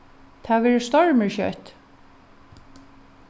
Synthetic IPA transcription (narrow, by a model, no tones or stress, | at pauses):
t̪ʰaːʋɛːɹəst̪ɔɹməɹçœ̰t̪